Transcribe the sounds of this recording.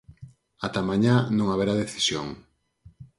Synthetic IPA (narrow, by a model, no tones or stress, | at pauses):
at̪amãɲanõŋaβeɾaðeθi̥sjo̰ŋ